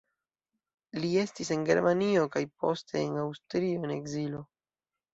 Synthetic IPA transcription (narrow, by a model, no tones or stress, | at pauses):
lie̞stise̞nɡe̞ɾmanio̞kajpo̞ste̞ːnawstɾio̞ene̞ɡzilo̞